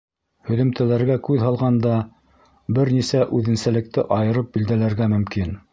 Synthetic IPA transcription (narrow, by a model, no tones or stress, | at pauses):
hɵ̆ðɵ̆mt̪ælæɾɡækʉðhɑlˠʁɑnd̪ɑ | bɘɾnisæʔʉðɘ̆nsælɘ̆k̚t̪ɘʔɑjɤ̆ɾɤp̚bild̪ælæɾɡæmɵ̆mkin